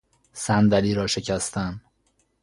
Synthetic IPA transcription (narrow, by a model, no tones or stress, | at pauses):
sænd̪æliːɾɒːʃe̞cʰæst̪æn